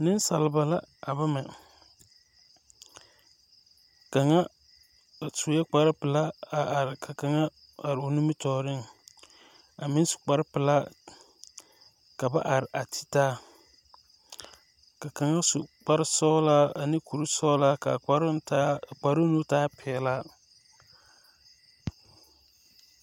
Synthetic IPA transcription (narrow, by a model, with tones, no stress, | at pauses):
nɪ˦n˦sa˨lɪ˨ba˨la˦a˨ba˦mɛ˨ | ka˨ŋa˦˨ | su˨˦jɛ˦k͡pa˨ɾɪ˦pɪ˨la˦a˨ɾɪ˨kʰa˨ka˨ŋa˦ | a˨ɾɪ˨o˨nu˦mɪ˦tɔː˨ɾɪ˦ŋ | a˨mɪ˦n˦sʊ̥˨k͡pa˨ɾɪ˦pɪ˨la˦ | ka˨ba˦ʔa˨ɾɪ˨ʔa˨tʰi̥˦taː˦ | ka˨ka˨ŋa˦su˨k͡pa˦ɾɪ˦sɔ˦la˦a˨ni˦ku˨ɾu˦sɔ˦la˦ka̰˨k͡pa˦ɾta˦˨k͡pa˨ɾʊ˦nu˦taː˦pʰɛ˨la˦